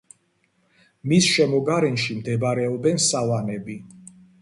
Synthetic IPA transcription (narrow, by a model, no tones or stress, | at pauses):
misʃɛmɔɡaɾɛnʃimd̪ɛbaɾɛɔbɛnsavanɛbi